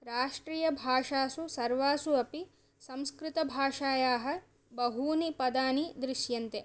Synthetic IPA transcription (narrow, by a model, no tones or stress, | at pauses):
ɾaːʂʈɾiːjɐbʱaːʂaːsusɐɾʋaːsuɐpi | sɐ̃mskɾɪt̪ɐbʱaːʂaːjaːɦɐ̆ | bɐɦuːnipɐd̪aːnid̪ɾiʃjɐnt̪e